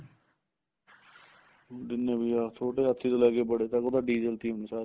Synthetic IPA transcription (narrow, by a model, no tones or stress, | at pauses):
d̪ɪnːẽbiaːt̪ʰoːʈeːɦət̪ʰːiːt̪oːlɛːɡeːbəɽeːt̪akod̪aːɖiːd͡ʒeːlt̪iːmneːsaːɾ